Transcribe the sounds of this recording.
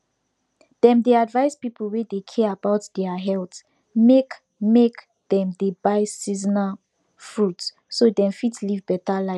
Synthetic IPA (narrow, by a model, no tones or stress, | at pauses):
d̥ɛ̃mdeadvajspipʰəl̩wedekʰɛabawtdɛaɦɛlt | mek | mek | d̥ɛ̃mdebajsizna | fɹut | sodɛ̃mfitlivbɛtala